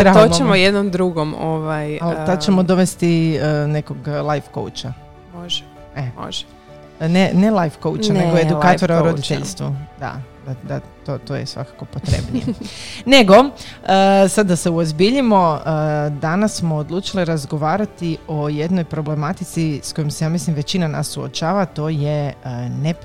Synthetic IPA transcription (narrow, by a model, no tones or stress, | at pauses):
ɾaomoemojed̪nomd̪ɾuɡomoʋajalt̪ad̪t͡ʃemo̞d̪o̞ʋest̪ine̞ko̞ɡlˠajfko̞̰wt͡ʃa | moʒɛ | emo̰ʒ | nenelˠajfkowt͡ʃanne̞ɡoed̪ukaːt̪o̞ɾaoɾod̪it̪ḛʎst̪ʋṵd̪a̰d̪ad̪a̰t̪ot̪oːjḛsʋa̰kḁko̞pot̪ɾḛbnḭjene̞ɡo̞əsad̪ːase̞uozbiʎimo̞əd̪anasːmo̞ːd̪lˠuːt͡ʃiliɾazɡo̞ʋaːɾat̪io̞je̞d̪no̞jpɾoble̞mat̪it̪sisko̞jomsejaːmislimʋe̞t͡ɕinana̰sːuo̰t͡ʃaːʋat̪o̞ːje̞əne